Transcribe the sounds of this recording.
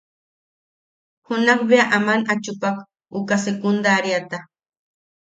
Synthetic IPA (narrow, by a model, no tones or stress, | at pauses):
hʊnɑχbeaʔamanat͡ʃʊpɑk | ʊkasekʊnd̪aɾjat̪a